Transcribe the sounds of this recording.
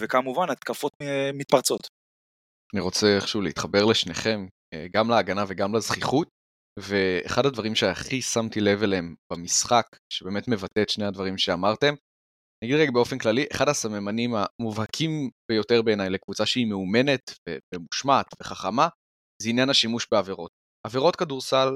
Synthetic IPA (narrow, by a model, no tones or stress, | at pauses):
vekamuvanat̪kafot̪mit̪̚paʁt͡so̞t̪ | aniʁo̞t͡seχʃuleit̪χabe̞ʁle̞ʃne̞χe̞m | ḛɡamlaːɡanaveɡamlezχiχut̚ | ve̞̰ːχadhadvaʁimʃeaχisamtilevelemb̥amisχak | ʃebe̞ːmetme̞vatetʃnehadvaʁimʃeamaʁte̞m | naɡidʁeɡabeo̞fe̞nklaliʔeχadhasamemanimamuvhakʰimb̥ejo̞teʁbe̞ːnajle̞kvut͡saʃeimeume̞ne̞t̪vḛbemuʃmaːt̪ve̞χaχama | zeinjanaʃimuʃbeaveʁo̞t̚ | aveʁo̞t̚kaduʁsal